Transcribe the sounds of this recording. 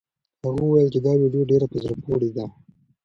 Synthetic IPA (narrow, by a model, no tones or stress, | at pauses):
haɣuwajəlt͡ʃed̪ɑwiɖijoɖeɾapəzɾəpoɽid̪a